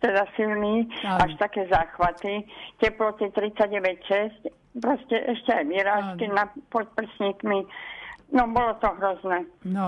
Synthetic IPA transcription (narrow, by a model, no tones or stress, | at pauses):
t̪ɛd̪asilniːaʃt̪akɛːzaːxʋat̪icɛplɔt̪it̪ɾit͡saɟɟɛʋɛcʃɛsc | pɾɔscɛʔɛʃcɛajʋɪɛɾaːʃkinapɔt̪̚pr̩sɲiːkmi | nɔbɔlɔt̪ɔɦɾɔznɛː